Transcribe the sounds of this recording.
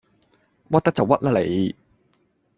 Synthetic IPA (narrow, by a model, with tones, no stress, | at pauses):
wɐ˥t̚t̪ːɐ˥k̚t͡sɐ˨wɐ˥t̚lɐ˥le˨j